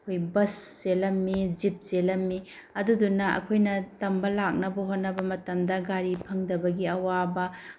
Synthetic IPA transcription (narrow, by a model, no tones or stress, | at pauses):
kʰojbɐsːelɐmːid͡ʒip̚selɐmːi | ɐdudunɐɐ̰kʰojnɐtɐmbɐlak̚nɐbɐɦotnɐbɐmɐtɐmdɐɡaɾipʰɐŋdɐbɐɡiɐwabɐ